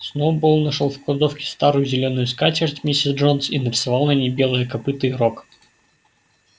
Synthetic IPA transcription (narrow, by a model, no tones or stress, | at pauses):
snowboonnɐʂolˠfklˠɐd̪ofkʲɪ̥st̪aɾʊjʊzʲɪlʲo̞nʊjʊskat͡ɕʲɪrt̪ʲmʲisʲɪsʐonsinəɾʲɪsɐvɑlˠnɐnʲejbʲe̞lˠəjəkɐpɨt̪ɨːɾok